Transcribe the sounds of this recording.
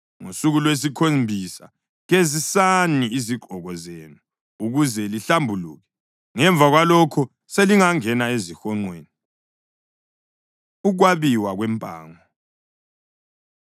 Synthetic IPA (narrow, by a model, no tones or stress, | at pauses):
ŋosuɣulwes̬ikʰombʱisa̰ | ɣezisaniiziɡ͡ǃʱɔɣɔzeːnu | uɣuzɛliɬambʱulṵːɣɛ | ŋɛɱb̪vʱaɣwalɔkʰɔ | seliŋaŋɛnaezixɔŋ͡ǀweːni | uɣ̬waβiwaɣwɛmpʼa̰ːŋɔ